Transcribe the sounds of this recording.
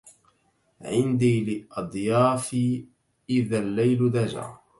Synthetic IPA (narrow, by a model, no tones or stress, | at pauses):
ʕɪnd̪iːlɪʔɑd̪ˤjaɑːfi | ʔɪðalːajld̪ad͡ʒa̰ː